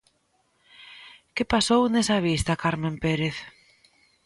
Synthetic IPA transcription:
kepasownesɐβ̞ist̪ɐkaɾmẽmpeɾeθ

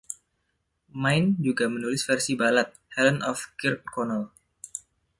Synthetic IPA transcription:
majnd͡ʒuɡamənulɪsfɛrsibalat̪̚hɛlənʔɔfkɪrt̪̚kɔnal

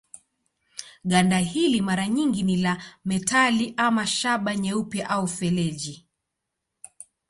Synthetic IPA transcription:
ɠandahilimaɾaɲiŋɡinilamɛtaliʔamaʃaɓaɲɛupjaʔaufɛlɛʄi

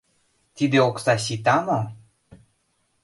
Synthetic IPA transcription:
t̪id̪eoksɑɕ̬it̪ɑmo

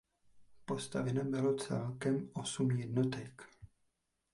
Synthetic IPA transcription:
po̞st̪avɪnabɪlot͡sɛ̰lkɛmʔosumjɛdnot̪ɛk

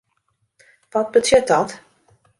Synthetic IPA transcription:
ʋɔt̚bətʰjʏt̚dɔt

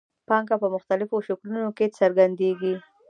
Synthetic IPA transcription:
pɑŋkapəmʊxt̪alɪfoʃʊklunoket͡səɾɡand̪eɡi

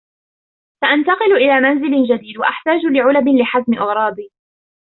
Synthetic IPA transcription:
saʔant̪ɑqɨlʔɪlaːmanzɪlɪd͡ʒad̪iːd̪waʔaħt̪aːd͡ʒʊlɪʕʊlabɪlɪħazmɪʔɪɣɾˤɑːd̪iː

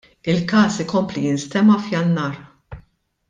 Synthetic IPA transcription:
ɪlkɐːsɪkɔmplijɪnst̪ɛmɐfjɐnːɐːɾ

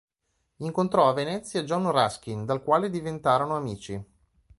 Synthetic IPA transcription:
iŋkont̪ɾɔavenɛt̪sːjad͡ʒɔnrask̟ind̪alkwaːled̪ivent̪aːɾonoamiːt͡ʃi

